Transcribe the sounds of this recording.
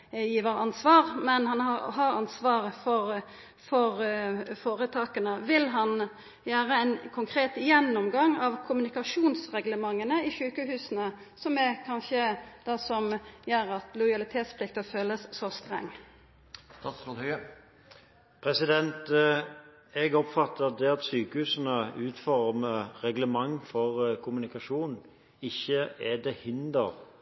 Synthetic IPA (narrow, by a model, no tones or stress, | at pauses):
jiːʋəɾɑnsʋɑːʁmɛnhɑnɑɦɑɾɑ̰nsʋɑːʁəfɔʁ | fɔʁfoːɾət̪ʰɑːkənəʋɪlɦɑn | jæːɾəɛɪnkʰʊŋkʰɾeːt̪ɪjɛnːɔmɡɑŋːɑʋkʰʊmʉnɪkɑʂuːnsʁɛɡləmɑŋːənəɪʃʉːkəɦʉːsənə | sɔmɛkʰɑnçəd̪̥ɑsɔmjæɾɑt̪lɔɪɑlɪt̪ʰeːt̪spʰlɪk̚t̪əføːləssɔst̪ʁɛ̰ŋː | t̪ɑsɔlhœ | pʰɾɛsɪd̪ɛnt̪ | ɛɡɔpfɑt̪ːəd̪ɛɑt̪syːkəhʉːsən̩əʉːt̪fɔʁməʁɛɡləmɑŋːfɔʁkʰʊmʉnɪkɑʂuːn | ɪçːəɛd̪ɛhɪnd̪ə̰ʁ